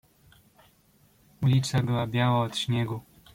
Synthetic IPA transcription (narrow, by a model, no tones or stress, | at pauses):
ulʲit͡ʂ̪abɘwabʲjawaɔt̪ɕɲɛɡu